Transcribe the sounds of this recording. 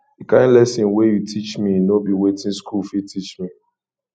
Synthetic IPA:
dikãɪ̃ndlɛsɛ̃nwejutʰit͡ʃminobiwetĩnskulfitʰit͡ʃmi

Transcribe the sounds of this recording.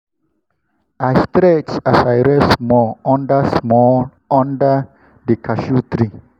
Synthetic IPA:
ʔajstɾɛt͡ʃasajɹəsmɔɔ̃ndəsmɔl | ɔ̃ndə | dəkʰaʃut̪ɾi

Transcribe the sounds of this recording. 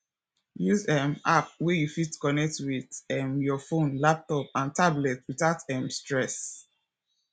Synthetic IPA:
juzɛmap̚wɛjufitkɔnɛk̚twiðɛmjɔfõnlap̚tɔp̚ãntablɛtwitatɛmstɹɛs

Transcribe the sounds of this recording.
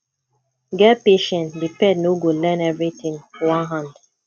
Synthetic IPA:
ɡɛpeʃɛ̃ntdipɛdnoɡolɛ̃nɛvɹit̪ĩŋwãnɦãnd

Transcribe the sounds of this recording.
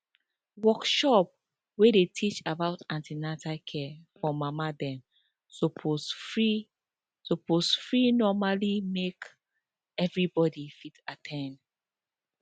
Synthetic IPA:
wɔkʃɔp̚ | wedetʰit͡ʃabaʊtãntʰinatʰakʰɛfɔmamadɛ̃m | sopʰosfɹi | soposfɹinɔmalimek | ɛvɹibɔdifitatʰɛ̃nd

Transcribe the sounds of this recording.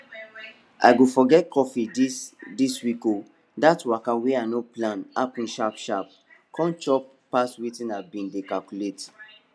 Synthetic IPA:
a̰ɪɡofɔɡɛt̚kɔfidsdiswiko | datwakaweaɪnoplãnapĩnʃapʃap̚ | kɔ̃nt͡ʃɔp | paswitĩnabĩndekalkulet

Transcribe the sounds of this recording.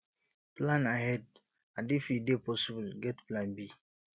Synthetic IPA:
plãnaɦɛd̚ | ãndifidepɔsibulɡɛtplãnbi

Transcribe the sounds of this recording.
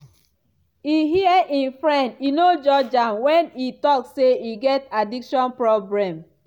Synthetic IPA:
iɦiɛʔĩnfɹɛ̃ndinod͡ʒɔd͡ʒãmwɛ̃nitɔksseiɡɛtadikʃɔ̃npɹɔbɹɛ̃m

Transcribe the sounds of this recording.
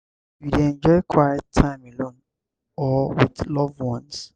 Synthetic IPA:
jiɾɛ̃nd͡ʒɔɪkʰwajɛttʰãɪ̃melõn | ɔwidlɔvwɔ̃ns

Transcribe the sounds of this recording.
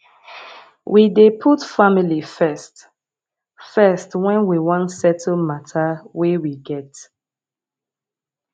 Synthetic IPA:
wʔidepʰutfamilifɛst | fɛstwɛ̃nwiwɔ̃ntsɛtʰəmatʰawewiɡɛt

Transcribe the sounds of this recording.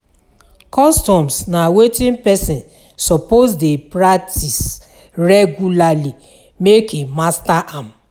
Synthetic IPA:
kɔstɔ̃msnawetĩnpɛsĩn | sɔposdepɾatis | ɹɛɡulali | mekemastaʔam

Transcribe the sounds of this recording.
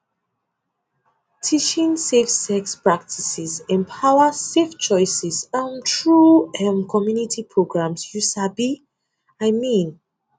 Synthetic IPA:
tʰit͡ʃĩŋsefsɛkspɹak̚tʰisɛzɛ̃mpʰaʊəseft͡ʃɔɪsɛsãntʰɹuɛmkʰɔmjunitʰipʰɹoɡɹãmsjusabi | aɪmĩn

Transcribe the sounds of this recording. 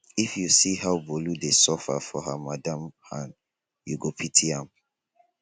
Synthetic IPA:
ifjusiɦawboludesɔfa̰fɔɦamadãmhãn | juɡopʰitʰiãm

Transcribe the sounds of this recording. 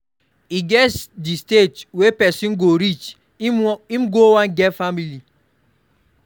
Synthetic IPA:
iɡɛsdistetwepɛsĩnɡoɾit͡ʃ | imɡowãnɡɛtfamili

